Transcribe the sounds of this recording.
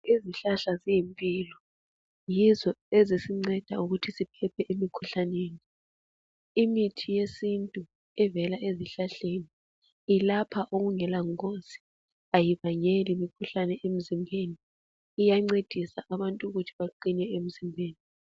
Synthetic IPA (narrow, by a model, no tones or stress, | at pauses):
iziɬaɬazijimpʼiːlɔ | jizɔezisiŋ͡ǀɛd̥ʱauɣutʰisipʰɛpʰɛʔemikʰuɬaneːni | imitʰijesintʼu | ɛvɛlaʔeziɬaɬeniː | lapʰaʔoɣuŋɛlaŋkosi̥ | ajiβaɲelimikʰuɬanɛem̩zimbʱeniː | jaŋ͡ǀed̥ʱisaʔaβantʼuɣutʰiβaǃinɛem̩zimbʱeːni